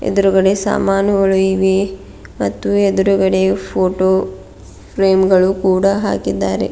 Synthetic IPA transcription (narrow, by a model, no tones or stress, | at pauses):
ḛd̪uɾuɡɐɽesa̰ːmaːnɐʋɐɭuiʋi | mɐt̪ːued̪uɾuɡɐɽepʰoːʈoː | pʰɾeːmɡɐɭukuːɽɐɦa̰ːkid̪ːaːɾḛ